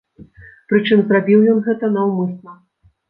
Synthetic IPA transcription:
pɾɨt͡ʂɨmzrabʲiwjɔnɣɛt̪ɐnɐwmɨsnɐ

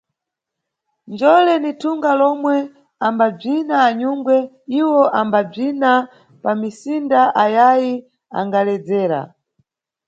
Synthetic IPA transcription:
nd͡ʒɔlɛnitʰuŋɡalɔmwɛ | ambab͡ʐinaːɲuŋɡwɛ | iwɔʔambab͡ʐina | pamisindaʔajaji | a̰ŋɡalɛd͡zɛːɾa̰

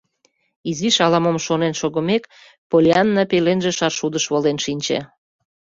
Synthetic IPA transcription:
iziʃɑlɑməmʃonenʃoɣə̆mek | polʲeɑnːɑpelenʒĕʃɑrʃud̪əʃβolenʃinʲt͡ɕḛ

